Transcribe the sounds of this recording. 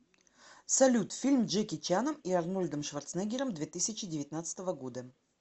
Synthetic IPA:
sɐlʲut̪fʲilʲmdʐɨkʲɪt͡ɕanəmiɐrnulʲd̪əmʂvɐrt̪snɛɡʲɪɾəmd̪vʲet̪ɨsʲɪt͡ɕɪdʲɪvʲɪt̪nat̪sɨ̥t̪əvəɡo̞d̪ə

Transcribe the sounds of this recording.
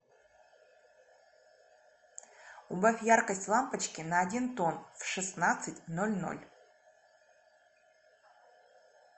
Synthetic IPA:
ubafʲjarkəsʲtʲlˠampɐt͡ʃkʲɪnɐːdʲint̪onfʂɨsnat̪sɨtʲnolʲno̰lʲ

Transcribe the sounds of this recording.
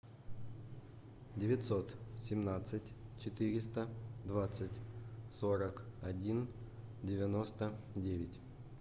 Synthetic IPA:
dʲɪvʲɪt̪ʲsot̪sʲɪmnat̪sɨtʲt͡ɕɪt̪ɨɾʲɪst̪əd̪vat̪sɨtʲsoɾəkɐdʲindʲɪvʲɪnost̪ədʲevʲɪtʲ

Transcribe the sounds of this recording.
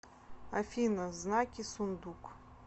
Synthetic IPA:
ɐfʲinɐznakʲisund̪uk

